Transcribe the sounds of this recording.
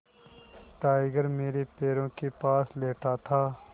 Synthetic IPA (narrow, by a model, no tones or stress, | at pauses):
ʈaːɪɡəɾmeːɾepeːɾõːkepaːsleːʈʰaːt̪ʰaː